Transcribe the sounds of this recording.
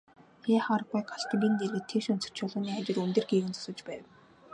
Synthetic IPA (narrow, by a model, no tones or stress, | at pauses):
xeːχaːɾə̆ɣujɢaɬt̪pʲint̪erɣɘ̆t̪ʰːeʃɵn̥sɵ̥̆r̥t͡ɕʰʊːɮʊːniːχat͡ɕɪ̆runt̪ɘ̆rɡiːɣɘ̆nt͡sɔ̥sə̆t͡ɕpæːw